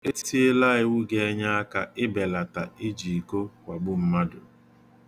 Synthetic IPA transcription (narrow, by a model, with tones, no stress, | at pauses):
e˦ti˦ti˦e˦la˦ɪ˦wʊ˦ɡe˦e˦ɲa˦a˦ka˨ɪ˦be˨la˨ta˨ɪ˦d͡ʒi˨ko˦kʷa˨ɡ͡bʊ˦m̩˦ma˦dʊ˨